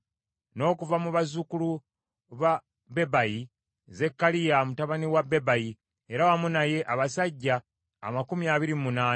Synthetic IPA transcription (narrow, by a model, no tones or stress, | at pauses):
no̞ːkuvamuβazukulu | βa | be̞baji | ze̞kːalijamutaβaniwabe̞baji | e̞ɾawamunaje̞ʔaβasaɟːa̰ː | makumiaβiɾimunaːn